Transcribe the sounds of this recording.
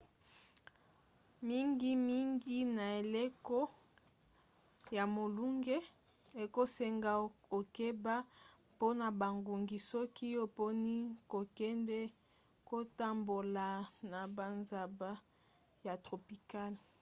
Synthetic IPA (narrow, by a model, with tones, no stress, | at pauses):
mi˦ŋɡi˦mi˦ŋɡi˦na˨e˨le˦kɔ˦ | ja˨mo˨lu˦ŋɡe˦ | e˨ko˦se˨ŋɡa˨o˨ke˦ba˦ | po˦na˨ba˨ŋɡu˨ŋɡi˨sɔ˦ki˦o˨po˦ni˦ko˨kɛ˦ndɛ˦ | ko˦ta˦mbo˨la˨na˨ba˨nza˨ba˦ | ja˨tʁo˨pi˨ka˦l